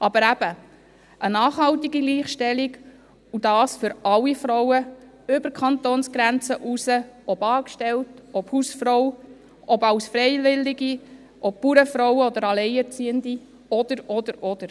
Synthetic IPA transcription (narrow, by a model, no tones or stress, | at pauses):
ʔɑbəɾæb̥ə | ʔənɑːχɦɑlt̪iɡiliːχʃtɛliɡ | ud̥ɑːsfʏɾɑlːifɾɔwə | ʏbəɾkʰχɑnt̪oːnsɡ̥ɾænt͡səʔusəɔbɑːkʃtɛltɔphusfɾɔw | ʔɔbɑwsfɾɛɪvɪlːiɡi | ʔɔp̚puɾəfɾɔwəɔd̪əɾɑlɛɪɛɾt͡siːəndi | ɔd̪̥əɾɔd̪əɾɔd̪əɾ